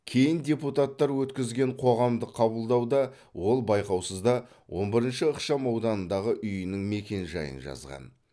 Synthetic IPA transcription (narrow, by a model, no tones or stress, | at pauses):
kʲʰe̞jɪndʲe̞put̪at̪ːɑɾwɵt̪kʲɪzɡʲe̞ɴqʰo̞ʁɑmd̪əqʰːɑbəlˠd̪ɑwd̪ɑ | wo̞lˠbɑjqɑwsəzd̪ɑ | wʔo̞̰nbɪɾənʃəəqʃɑmɑwd̪ɑnənd̪ɑʁəʔʏjɪnɪŋme̞kʲe̞nʒɑ̰jə̰nʒɑ̰zʁɑ̰n